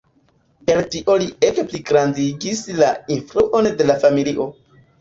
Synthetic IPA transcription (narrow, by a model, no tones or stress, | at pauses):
pe̞ltiʔo̞liekpliɡɾandiɡislainfɾuʔo̞nde̞lafamiliʔo̞